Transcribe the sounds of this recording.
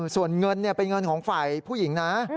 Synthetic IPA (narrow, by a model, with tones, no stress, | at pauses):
su˨˩ənŋɤ˧nːi˥˩ɐpe˧nŋɤ˧nkʰɔː˩˦ŋfaː˨˩jpʰuː˥˩ji˩˦ŋna˦˥